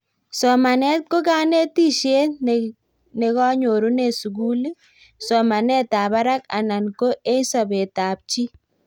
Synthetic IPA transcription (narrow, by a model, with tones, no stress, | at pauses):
sɔ˨ma˨nɛ˦t̚ko˦ka˦ne˦ti˦ʃje˦ | ne˨kɔ˦ɲo˨ɾu˦ne˨su˨k̬u˦li˦ | sɔ˨ma˨nɛ˦ta˨ba˦ɾa˦ka̰˨na˨nko˦ʔe˦sɔ˨be˨ta˨p̚t͡ʃi˦